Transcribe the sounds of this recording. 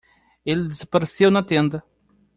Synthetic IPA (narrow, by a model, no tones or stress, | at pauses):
eld̪ezɐpɐɾesewnɐt̪ẽnd̪ɐ